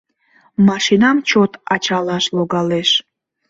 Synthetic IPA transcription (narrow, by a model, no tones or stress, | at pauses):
mɑʃinɑmt͡ɕot̪ɑt͡ɕɑlɑʃloɣɑleʃ